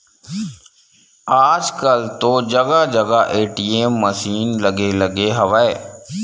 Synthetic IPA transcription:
aːd͡ʒkəlt̪od͡ʒɐɡad͡ʒɐɡaʔeːʈiemːəsiːnlɐɡelɐɡeɦɐʋaeː

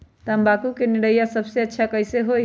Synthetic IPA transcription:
t̪əəmbakukeniɽəjasəbseətːʃʰakəɪseɦoj

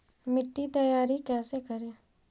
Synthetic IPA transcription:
mɪʈːit̪əjaːɾikɛːsekəɾeː

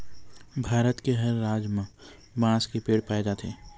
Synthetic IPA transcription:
bʱaːɾət̪keɦəɾːaːd͡ʒmã | bãːskepeːɽpaːed͡ʒaːt̪ʰeː

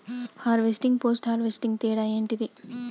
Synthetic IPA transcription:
haːɾʋesʈiŋɡ̚poːsʈhaːɾʋesʈiŋɡt̪iːɽaːjeːɳʈid̪i

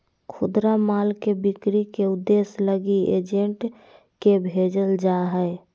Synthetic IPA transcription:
kʰʊd̪ɾamaːlkebikɾikeʊd̪ːesləɡiḛd͡ʒeɳʈ | kebʱed͡ʒəld͡ʒaɦɛe

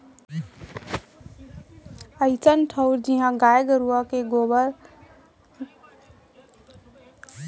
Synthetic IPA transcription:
əɪt͡ʃənʈʰəʊɾd͡ʒiɦãɡajɡəɾuəkeɡobəɾ

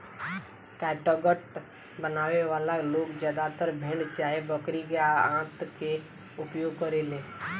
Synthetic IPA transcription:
kɛːʈoɡəʈ | bənaːʋeʋaːlaloːɡd͡ʒaːd̪at̪əɾbʱẽɳɖt͡ʃaːɦebəkɾiɡjaãːt̪ke | ʊpjoːɡ̚kəɾeleː

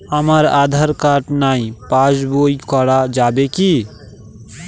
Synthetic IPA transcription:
əməɾaːd̪ʱəɾkaʈnaːĩpad͡ʒboikɔɽad͡ʒaːbeki

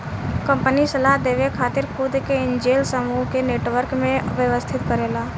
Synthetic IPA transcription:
kə̃mpənisəlaːɦd̪eːʋekʰaːt̪ɪɾkud̪keɪ̃nd͡ʒeːlsəmuɦkeneːʈʋəɾkmẽʋjəʋəst̪ʰɪt̪kəɾeːlaː

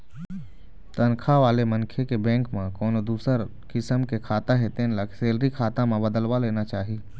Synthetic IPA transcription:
t̪ənkʰaʋaːlemənkʰekebɛ̃ːŋkmẽkɔːnod̪uːsəɾ | kɪsəmkekʰaːt̪aɦet̪ẽnləkseːlɾikʰaːt̪ãmẽbəd̪əlwaleːnat͡ʃaːɦie

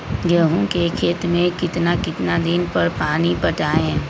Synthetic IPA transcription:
ɡəɦõkekʰeːt̪mẽkɪt̪nakɪt̪nad̪ɪnpɐɾpaːnipəʈaːẽ

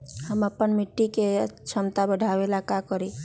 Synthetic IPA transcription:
həməpːənmiʈːiket͡ʃʰəmt̪abəɽʱabelakakəɾi

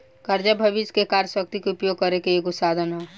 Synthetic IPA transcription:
kəɾd͡ʒəbʱəʋiskekaɾjəsək̚t̪ikeʊpjoɡ̚kəɾekeeːkʊt̪sad̪ʱənɦɛ

